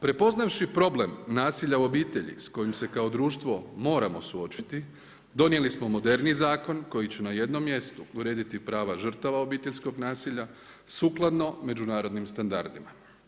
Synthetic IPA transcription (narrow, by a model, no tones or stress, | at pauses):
pɾe̞po̞znaʋʃipɾo̞ble̞mnaːsiʎauo̞biːt̪e̞ʎḭsko̞jimse̞kao̞d̪ɾuːʃt̪ʋo̞mo̞ːɾamo̞suo̞t͡ɕi̥t̪i | d̪o̞nje̞lismo̞mo̞d̪e̞ɾnizaːko̞nko̞jit͡ɕenaje̞d̪no̞mːje̞st̪uuɾe̞ːd̪it̪ipɾaːʋaʒr̩t̪aʋao̞biːt̪e̞ʎʲsko̞ɡnaːsiʎa | suklˠad̪no̞me̞d͡ʑunaːɾo̞d̪nimst̪and̪a̰ɾd̪ima